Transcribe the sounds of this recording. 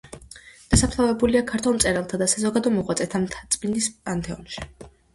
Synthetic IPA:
d̪̥asapʰt̪ʰavɛbuliakʰaɾt̪ʰulˠmt̪sʼɛɾɛlˠt̪ʰad̪asazɔɡad̪ɔmɔʁwat̪sʼɛt̪ʰamt̪ʰat̪sʼbind̪ispʼant̪ʰɛɔ̰nʃi̥

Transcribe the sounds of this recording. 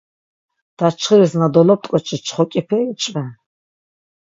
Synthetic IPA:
d̪̥at͡ʃʰχəɾiznad̪ɔlɔp̚t̪ʼkʼɔt͡ʃʰʼit͡ʃʰχɔkʼipʰɛːit͡ʃʼvɛ

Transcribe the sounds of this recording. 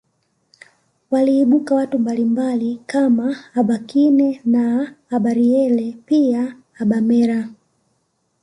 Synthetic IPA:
waliːɓukawatumbalimbalikamaːɓakinɛnaːɓaɾiɛlɛpiaː | ɓamɛɾa

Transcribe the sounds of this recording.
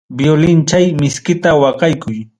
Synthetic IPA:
bjolɪnt͡ʃajmɪskɪt̪awɑqɑjkʰʊj

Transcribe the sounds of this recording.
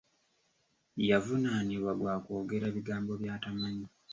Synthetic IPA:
javunaniβwaɡwaːko̞ːɡe̞ɾaβiɡaːmbo̞βjaːtamaɲi

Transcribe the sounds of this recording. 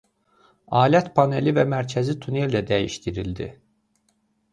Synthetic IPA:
ɑːlʲiæt̪pʰɑne̞livæmæɾcʰæzit̪ʰuneld̪æd̪æjiʃt̪iɾild̪ḭ

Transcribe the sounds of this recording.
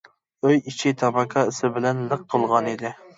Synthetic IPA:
øjit͡ʃʰit̪ʰɑbɑkʰɑɪsɪbɪlɛnlɨq̚t̪ʰolˠʁɑnid̪ɪ

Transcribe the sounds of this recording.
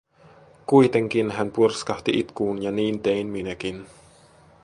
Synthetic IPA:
kujt̪eŋkinɦænpurskɑht̪iʔit̪kuːnjɑniːnt̪einminækin

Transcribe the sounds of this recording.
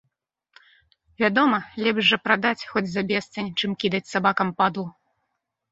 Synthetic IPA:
vʲad̪ɔmɐlʲɛbʐːɐpɾad̪at͡sʲxɔd͡zʲzɐbʲɛst̪sɐnʲt͡ʂɨmkʲid̪ɐt͡sʲsabakɐmpad̪lˠu

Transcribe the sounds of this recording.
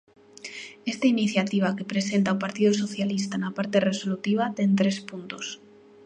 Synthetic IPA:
est̪ainiθjat̪iβ̞ake̞pɾese̞nt̪aupaɾt̪ið̞oso̞θjalist̪aenapaɾt̪e̞re̞so̞lut̪iβ̞at̪e̞nt̪ɾe̞spunt̪os

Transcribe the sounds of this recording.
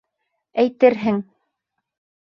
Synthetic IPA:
æjt̪ɘɾɦɘŋ

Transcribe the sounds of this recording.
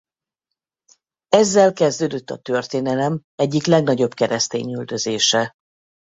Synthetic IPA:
ɛzːɛlkɛzd̪øːd̪øt̪ːɒt̪ø̞rt̪eːnɛlɛmɛɟːiklɛɡnɒɟo̞bkɛɾɛst̪ḛːɲyld̪ø̞zeːʃɛ

